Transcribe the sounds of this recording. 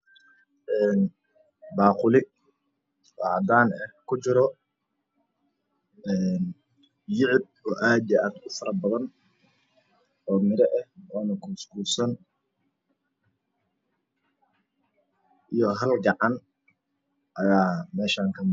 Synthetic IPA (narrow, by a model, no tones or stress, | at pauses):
ʔɛːn | baːqʊlɪ | ɔ̰ːʕɑd̪aːnɛkʰʊt͡ʃɪɾɔ | ɛːn | jɪʕɪb̚ɔːʔaːd̪jɐʔaːd̪ʊfɐɾɐbɐðɐn | ʔɔːmɪɾɛʔɛhʔɔːnɐkʰuːsɡuːsɐn | ʔijɔɦɐlɡɑʕɑn | ʔɐjaːmɛːʃaːŋkʰɐm